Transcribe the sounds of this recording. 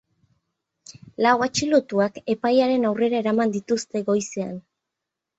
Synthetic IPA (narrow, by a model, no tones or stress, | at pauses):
lawat͡ʃilot̪uake̞pajaɾe̞nawre̞ɾae̞ɾamand̪it̪ust̪e̞ɡo̞jse̞a̰n